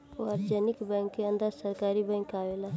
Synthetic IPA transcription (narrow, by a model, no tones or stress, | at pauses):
aɾd͡ʒɛːnɪkbɛ̃ːŋkːeə̃nd̪aːɾsəɾkaːɾibɛ̃ːŋkaːʋela